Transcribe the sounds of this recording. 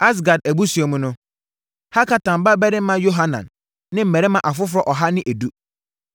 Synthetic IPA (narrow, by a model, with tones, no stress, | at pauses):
a˦s̬ɡa˨d̚æ˨bu˦su˨ɔ˨mũ˨˦nʊ̃˦ | ha˦kʰa˨tã˨m˨ba˦bɛ˦ɾɪ˦mã˦jo˦ɦa˦nã̰˨nː | ɪ̃˦m̩˦˨mɛ˨ɾɛ˦mã˨ʔa˨fʊ˦fʊ˦ɾɔ˨ʔɔ˨ɦa˦nɪ̃˦ʔæ˨du˦